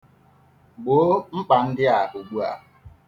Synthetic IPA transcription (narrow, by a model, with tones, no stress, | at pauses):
ɡ͡bo˨˦ŋ͡m̩˦k͡pa˨n̩˦dɪ˦a˨ɦʊ˨ɡ͡bu˦a̰˨